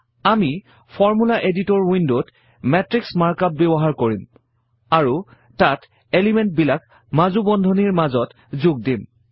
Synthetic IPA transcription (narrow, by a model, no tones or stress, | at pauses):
ami | pʰɔɹmulaʔeditɔɹwindod | mɛtɹiksmaɹkap̚bebɔɦaɹkoɹim | aɹu | tat | elimɛnt̚bilak | mazubɔndʱɔniɹmazɔt | zʊɡ̚dim